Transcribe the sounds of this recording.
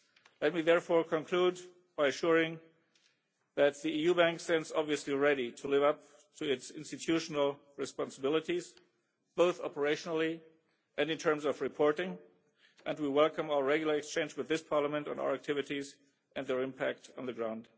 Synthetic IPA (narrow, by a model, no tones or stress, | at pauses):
lɛt̚miðɛɹfɔɹkʰɔ̃nkʰl̥ud | b̥aɪɨʃʊɹɪ̃ŋ | ðæt̪̚ðiijubæ̃ŋksɛ̃ndzɑbviɨsliɹɛɾitʰəlɪvʌp̚ | tʰuɪtsɪ̰̃nstɨtʰjuʃnəl̩ˠ | ɹɨspɑ̃nsəbɪlˠɨtiz | b̥oʊθɑpə˞eɪʃnl̩ˠi | ʔɨ̃nɨ̃ntʰɜ̃˞mzʌvɹɨpʰɔɹɾɪ̃ŋ | ʔɨ̃ndwiwɛlˠkə̃maʊə˞ɹɛɡjl̩ˠə˞ɨkst͡ʃẽɪ̃nd͡ʒwɨðɪspʰɑɹləmɛ̃ntn̩a̰ʊə˞æk̚tʰɪvɨɾiz | ʔɨ̃nðɛ˞ɪ̃mpʰæk̚tn̩ðɨɡɹãʊ̃nd̥